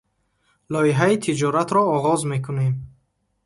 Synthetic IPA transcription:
lɔiɦait̪ʰid͡ʒɔɾat̪ɾɔːʁɔzme̞kʰune̞m

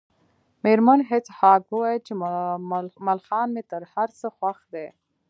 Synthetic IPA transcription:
meɾmanɦet͡shɑkuwɑjt͡ʃe | malxɑnmet̪əɾhaɾsəxwaxd̪e

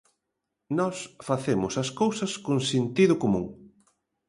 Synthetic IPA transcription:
nɔsfaθemʊsɐskowsɐskoŋsint̪iðʊkomũŋ

